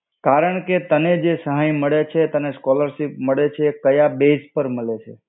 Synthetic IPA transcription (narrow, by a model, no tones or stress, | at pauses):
kaɾəɳket̪əned͡ʒesəɦajməɭet͡ʃʰet̪əneskɔləɾʃipməɭet͡ʃʰekəjabespəɾməɭet͡ʃʰḛ